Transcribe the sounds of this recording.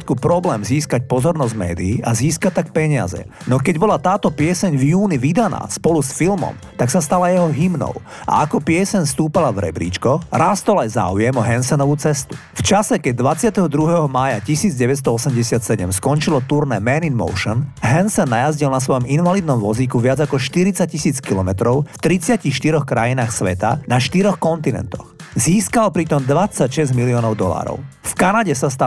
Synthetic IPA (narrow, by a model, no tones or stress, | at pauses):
t̪kupɾɔblɛːmziːskac̚pɔzɔɾnɔzɟmɛ̰ːd̪iiʔaziːskat̪ːak̚pɛɲɪa̰zɛ̰ | nɔkɛɟbɔlat̪aːt̪ɔpɪɛsɛɲvjuːniʋid̪ana̰ːspɔlusfilmɔ̰m | t̪aksast̪alajɛɦɔɦimnɔ̰ʊʔa̰akɔpɪɛsɛɲfst̪uːpalavɾɛ̰bɾḭːt͡ʃkɔɾaːst̪ɔlajza̰ujɛmɔɦɛnsɛnɔʋut͡sɛst̪u̥ | ft͡ʃasɛkɛɟ̚d̪ʋat͡sɪat̪ɛɦɔd̪ɾuɦɛɦɔmaːjacisiːd͡zɟɛʋɛt̪s̬t̪ɔɔsɛmɟɛsɪat̪sɛɟɛmskɔnt͡ʃilɔt̪uɾnɛːmɛninmɔ̰ʊʃɔnɦɛnsɛnːajazɟilnas̬ʋɔjɔminʋalid̪nɔmʋɔzikuʋɪad͡zakɔʃt̪iɾit͡sac̚cisiːt͡skilɔmɛt̪ɾɔʊft̪ɾit͡sɪacixʃt̪iɾɔxkɾajinaːxsʋɛt̪a̰naʃt̪iɾɔxkɔnt̪inɛ̰nt̪ɔ̰xziːskalpɾit̪ɔmd̪ʋat͡sːacʃɛzɟmiliɔnɔʊd̪ɔla̰ːɾɔ̰ʊfkanaɟɛsast̪a